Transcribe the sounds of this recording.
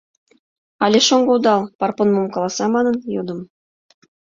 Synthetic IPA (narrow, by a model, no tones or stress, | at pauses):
ɑlʲeʃoŋɡɤud̪ɑlˠpɑrponmomkɑlˠɑsɑmɑnɤ̆njod̪ɤ̆m